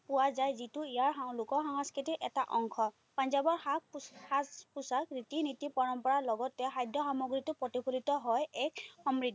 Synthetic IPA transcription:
pʊwazajzitʊijaɹalʊkɔɹxaŋaskitiʔɛtaʔɔŋkʰɔ | panzabɔɹaaspusakɹitinitipɔɹɔmpɔɹaɹlɔɡɔtːɛxajdʱjɔxɔmɔɡɹitɔpɹɔtipʰulitɔɦɔjɛkxɔmɹiti

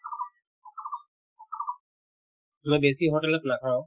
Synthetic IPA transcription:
mɛ̃ːbeːsiɦoːʈələpnakʰaːõ

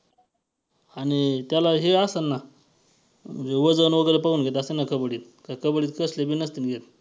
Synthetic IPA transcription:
aɽ̃it̪jalaɦeasanːa | məɳd͡zeʋəd͡zənʋəɡəjɾepaɡuːnɡʱet̪asenːakəbɽiːt̪̚ | kakəbəɽiːt̪kəslebinəst̪inɡʱet̪̚

